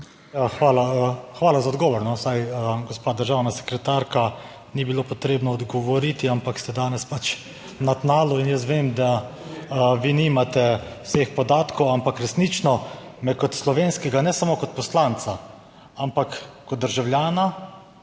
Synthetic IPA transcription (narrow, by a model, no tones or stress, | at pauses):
jaxʋaːlaxʋaːlazaɔd̪ɡɔːʋɔɾnɔsajəɡɔspaːd̪əɾʒaːwnasɛ̥kɾɛt̪aɾka | nibiloːpɔt̪ɾeːbnɔːd̪ɡɔʋɔɾit̪iampakst̪ɛd̪aːnɛspat͡ʃ | nat̪naːlɔinjəs̬t̪ʋeːmd̪a | ʋiːnimat̪ɛwseːxpɔd̪aːt̪kʰɔwampakɾɛsnit͡ʃnɔmɛkɔt̪slɔʋeːnskɛɡanɛsamoːkɔt̪̚pɔslaːnt̪sa | ampakː | ɔt̪̚d̪əɾʒawljaːna